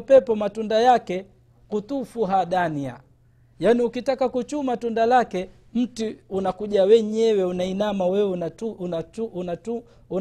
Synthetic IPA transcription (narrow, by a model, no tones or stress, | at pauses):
pɛpɔmatundajakɛ | kut̪ufuɦaɗania̰ | janiukitakakut͡ʃumatundalakɛ | m̩tiunakuʄawɛɲɛwɛunainamawɛwaauatu | u